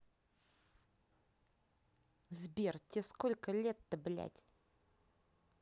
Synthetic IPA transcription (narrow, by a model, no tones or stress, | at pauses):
zbʲertʲeskolʲkəlʲet̪ːəblʲæ̰tʲ